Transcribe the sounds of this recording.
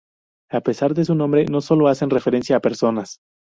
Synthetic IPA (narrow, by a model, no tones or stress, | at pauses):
ape̞saɾðe̞s̬unõ̞mbɾe̞no̞so̞lo̞ase̞nre̞fe̞ɾe̞nsjaːpe̞ɾso̞nas